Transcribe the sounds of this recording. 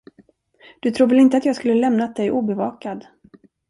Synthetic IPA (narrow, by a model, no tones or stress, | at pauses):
d̪̥ɵt̪ʰɾuːvɛlɪnt̪əat̪jɑːɡskɵlːəlɛmnat̪̚d̪ɛjʔuːbɛvɑːkad̪